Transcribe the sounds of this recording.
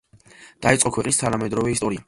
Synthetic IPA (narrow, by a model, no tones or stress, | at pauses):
d̪̥ait̪sʼɔkʰwɛqʼnist̪ʰanamɛd̪ɾɔvɛist̪ʼɔɾia